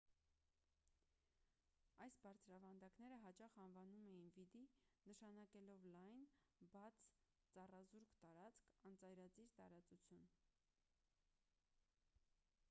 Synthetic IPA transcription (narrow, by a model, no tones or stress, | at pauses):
ɑjsbɑɾt͡sʰɾɑvɑnd̪ɑknɛɾəɦɑt͡ʃɑχɑnvɑnumɛjinvid̪inəʃɑnɑkɛlɔvlɑjn | bɑt͡sʰ | t͡sɑrɑzuɾkt̪ɑɾɑt͡skʰɑnt͡sɑjɾɑt͡siɾt̪ɑ̰ɾɑt͡sut͡sʰjun